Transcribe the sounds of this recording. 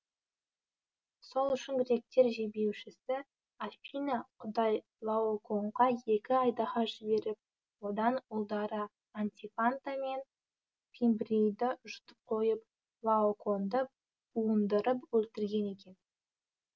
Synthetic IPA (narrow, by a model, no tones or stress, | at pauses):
so̞lˠʏʃɪŋɡʲɪɾe̞k̚t̪e̞ɾʒebe̞wʃɪsɪ | apʲijnaqʰʊd̪ɑj | lˠaokʰo̞ɴʁɑje̞kʲɪɑjd̪ɑʁɑʒɪbe̞ɾɪp̚ | wo̞d̪ɑnʊlˠd̪ɑɾə | ant̪ʲifant̪ame̞n | t̪ʰimbɾejd̪ɪʒʊ̥t̪ə̥p̚qʰo̞jəp̚ | lˠaokʰo̞nd̪ə | uənd̪əɾəpwɵlt̪ɪɾɡʲe̞ne̞kʲe̞n